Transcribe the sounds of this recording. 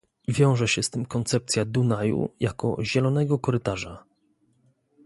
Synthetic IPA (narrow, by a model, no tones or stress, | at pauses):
vʲjɔ̃w̃ʐɛɕɛst̪ɘmkɔnt̪sɛp̚t̪sʲjad̪unajṵjakɔ̰ʑɛlɔnɛɡɔkɔɾɘt̪aʐa